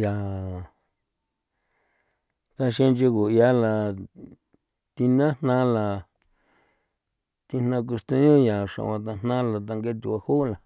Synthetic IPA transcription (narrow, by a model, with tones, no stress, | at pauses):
ja˨ | t̪a˧ʃĩ˦nd͡ʒi˧ku˨ja˦la˧ | t̪i˧nã˦n̥nã˦˧la˨ | t̪i˧n̥ã˧k̬u˧st̪ẽ˧ɲõ˦ja˨ʂã̰˨˧ã˧t̪̬a˧n̥nã˦la˧t̪̬a˧ŋɡe˦˧t̪u˧˨a˧hu˦˨la˨